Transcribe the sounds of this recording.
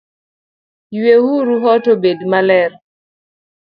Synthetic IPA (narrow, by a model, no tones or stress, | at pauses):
jwehuɾuɦɔtobedmalɛr